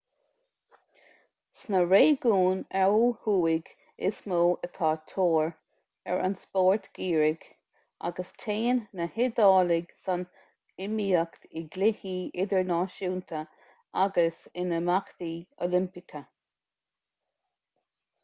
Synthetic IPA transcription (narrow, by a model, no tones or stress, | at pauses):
snəɹeːɡuːnɛwhuːɪɡ | ɪsmoːət̪ʰɑːt̪ʰoːɹ | ɛ̰ɹʔa̰nspoːɹt̪ɡ̥iːɹɪɡ̥ | a̰ɡəstʰeːnːəhɪd̪ɑːlɪɡsan | ɪmiːəkt̪ɪɡlɪhiːɪd̪əɹnɑːʃuːnt̪ʰə | aɡəsɪnəmakt̪io̰lɪmpɪkʰə